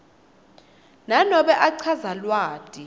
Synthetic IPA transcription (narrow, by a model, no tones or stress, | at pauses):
nanɔɓɛʔaǀʰazalwaːtʼi